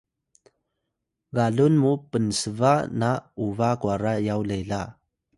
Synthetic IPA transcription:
ɡalunmupənsəvanauvakuaɾajawlela

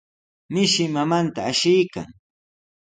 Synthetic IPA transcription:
mɪʃɪmamant̪aːʃɪjka̰ŋ

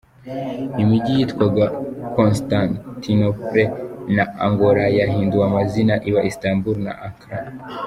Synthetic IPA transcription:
nimuɟijitkwaɡakonstantinopɾenaa̰ŋɡoɾajahiːnduamazinaʔiβaʔistambuɾna̰ʔaŋkɾa

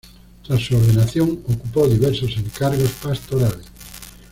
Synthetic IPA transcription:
t̪asuoɾðenaθjoŋokupowðiβɛɾsosẽŋkaɾɣospast̪oɾaless

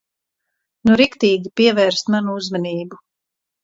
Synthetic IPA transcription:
nuɾikt̪iːɡʲipiɛvɛːɾst̪manuuzmaniːbu

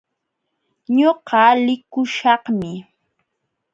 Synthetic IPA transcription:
ɲoɢɑlɪkʊʃɑhmɪ

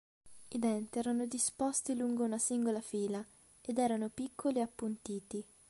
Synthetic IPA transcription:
id̪ɛnt̪iɛːɾanod̪ispost̪iluŋɡounasiŋɡolafiːla | ed̪ɛːɾanopikʰːoliapːunt̪iːt̪i

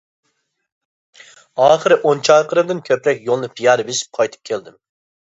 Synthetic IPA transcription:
ɑːχɨɾɪʔont͡ʃʰɑjqəɾɨd̪ɪnkʲʰøpɾɛk̚ʲjolˠnɨpʰijɑɾbesɪ̥p̚qʰɑjt̪ʰɨ̥p̚kʲʰeld̪ɪm

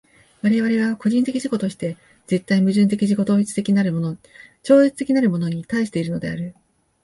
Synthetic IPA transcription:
βaɾe̞β̞aɾe̞β̞ako̞ʑĩnt̪e̞kʲiʑiko̞t̪o̞ɕi̥t̪e̞ | ze̞t̪ːaimɯ̟ʑɨ̃nt̪̬e̞kʲiʑiko̞t̪o̞ːit͡sɨ̥t̪ekʲinaɾɯot͡ɕo̞ːet͡sɨ̥t̪e̞kʲinaɾɯ̟mo̞no̞ɲ̟it̪aiɕi̥t̪e̞iɾɯ̟nod̪e̞aɾɯ̟

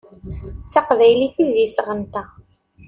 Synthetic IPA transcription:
t͡sːɑqvæjliθiðisʁənt̪əʁ

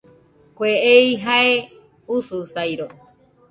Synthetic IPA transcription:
kʷeʔejɦae | ususajɾo

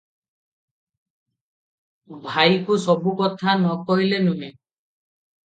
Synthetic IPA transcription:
bʱajkusɔbukɔt̪ʰanɔkɔɦilenuɦe

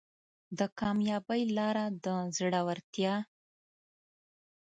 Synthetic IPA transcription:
d̪əkɑmjɑbəjlɑɾad̪əzɽawaɾt̪jɑ

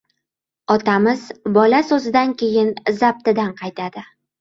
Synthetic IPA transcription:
ɒt̪amɪzbɒlasɵzɪd̪aŋkʲʰe̞jɪnzab̚t̪ɪd̪anqʰɑjt̪ad̪ɪ

